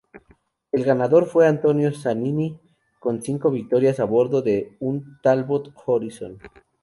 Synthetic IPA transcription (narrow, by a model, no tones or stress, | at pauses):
e̞lɣanaðo̞ɾfwe̞ant̪o̞njo̞sanini | ko̞nsiŋko̞βik̚t̪o̞ɾjasaβo̞ɾðo̞ðeunt̪alβot̪xoɾiso̰n